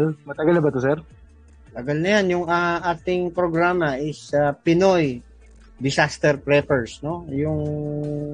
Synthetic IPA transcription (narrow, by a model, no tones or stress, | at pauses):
lmɐt̪ɐɡɐlnɐbɐt̪osɛɾ | t̪ɐɡalnɐjanjʊŋɐʔaːt̪ɪŋpɾoɡɾaːmɐʔɪsɐpɪnoj | d̪ɪsast̪ɛɾpɾɛpɛɹsno̞jʊŋ